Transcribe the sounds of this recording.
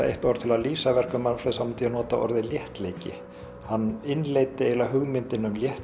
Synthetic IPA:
ḛjht̪ɔɾð̥t̪ʰɪlaðliːsavɛr̥kʏmanfɾɛsamt̪ijɛnɔːt̪aʔɔ̰ɾðɪljɛht̪leːjcɪ̰ | hanːɪnleːjt̪ɪeːjlaɦʏɣmɪnt̪ɪnʏmljɛht̪

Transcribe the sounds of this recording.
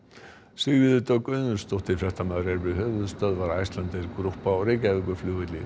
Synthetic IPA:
sɪɣvɪðʏt̪œkʏðnʏɾ̥st̪ɔht̪ɪ̥fɾɛht̪amaðɾɛɾpɪðɦœːvʏðst̪œːðvaɾajst̪lant̪ɛɾkɾuhpaɔɣɾejcaɛvɪŋkʏflʏːɣʏt̪li

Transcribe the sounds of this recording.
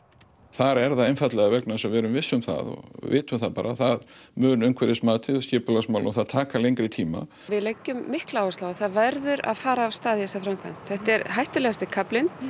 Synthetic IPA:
θaɾɛɾðaðejnfat̪lɛɣavɛknasɛvɛːɾʏmvɪsːʏmθa̰ðɔ̰ɣvɪ̰ːt̪ʏmθaðpaːɾaθaðmʏːnʏŋkʰvɛɾɪsmaːt̪ʰɪðɔscɪːpʏlasmaːwlɔθaðt̪ʰaːkalejŋkɾɪt̪ʰiːma̰ | vɪðlecːʏmːɪhklaːwɪslaːwɣaθaðvaɾðʏɾa̰ðfaːɾaːvst̪aːðjɛsafɾamkʰva̰n̥t̪θɛht̪ɛɾɦajht̪ʏlɛɣast̪ɪkʰaplɪn

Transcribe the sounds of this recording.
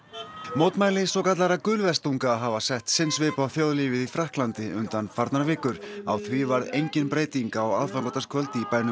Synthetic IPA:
mowt̪maːjlɪsɔkat̪laɾakʏlvɛst̪uŋkaːɦavasɛht̪sɪnsvɪːpaθjoːwðliːvɪðifɾahklant̪ɪʏnt̪anfaɾt̪naɾvɪːkʏɾ̥awθvivaɾejɲcɪnpɾeːjt̪iŋkaɔɣa̰ðfalɔt̪askʰvœlt̪ɪipaːjnʏ

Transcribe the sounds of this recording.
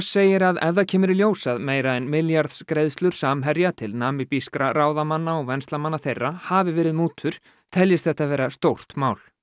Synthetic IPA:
seːjɪɾaðɛ̰vðacʰɛːmʏɾɪljoːwsaðmeːjɾaɛnmɪljaɾðskɾejðst̪lʏɾ̥saːmɦɛɾjat̪ʰɪlnaːmɪpiskɾaɾaːwðamanːaɔɣvɛnst̪lamanːaθejrːahaːvɪvɛːɾɪðmuːt̪ʰʏɾ̥ | t̪ʰɛljɪst̪θɛht̪ːavɛːɾast̪owr̥t̪maːwl̥

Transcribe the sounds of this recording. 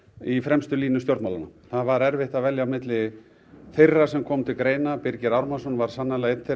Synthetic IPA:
ifɾɛmst̪ʏliːnʏst̪jowɾt̪mawlanaθaðvaɾɛɾvɪht̪aðvɛljamɪt̪lɪ | θejrːasɛmkʰɔːmt̪ʰɪlkɾeːjnapɪɾcɪɾawɾmasɔnvaɾ̥sanːalaejt̪nθe

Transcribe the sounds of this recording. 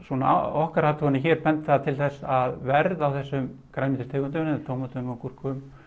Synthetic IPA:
sɔna̰ɔhkaɾhaːt̪ʰuɣanɪçɛːɾ̥pɛnt̪θaðt̪ʰɪlθɛsːaðvɛɾðawθɛsːʏm | kɾamint̪ɪ̥ɾ̥t̪ʰeːkʏnt̪̬ʏmnt̪ʰoːwmat̪ʏmɔkur̥kʏʏm

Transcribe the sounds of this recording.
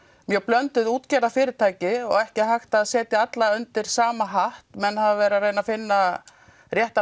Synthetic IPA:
mjœplœnt̪ʏðuːt̪cɛɾðafɪːɾɪt̪ʰaːjcɪɔ̰ɣɛhcɪɦajxt̪aðsɛːt̪ɪat̪laʏnt̪ɪɾ̥saːmaɦaht̪mɛnhavavɛːɾareːjnafɪnːa | rjɛht̪a

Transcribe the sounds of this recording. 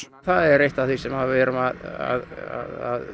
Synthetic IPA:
θaðɛɾejht̪avθisɛmhavvɛɾʏmaða̰ðaða̰ð

